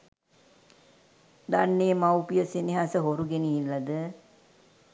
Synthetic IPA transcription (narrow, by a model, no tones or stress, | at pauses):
d̪anːeəmawpijəseniɦasəɦoɾuɡeniːlːɐd̪ə